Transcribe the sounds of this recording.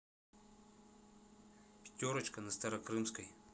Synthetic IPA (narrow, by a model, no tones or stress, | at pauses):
pʲɪ̥tʲoɾɐt͡ʃkɐnɐst̪ɐɾɐkɾɨmskəj